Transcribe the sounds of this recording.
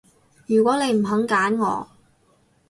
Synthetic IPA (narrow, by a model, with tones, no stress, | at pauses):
jyː˨˩kwɔː˨˥ne˨˧jm̩˨˩ɦɐ˨˥ŋkaː˨˥nŋɔ̰ː˨˧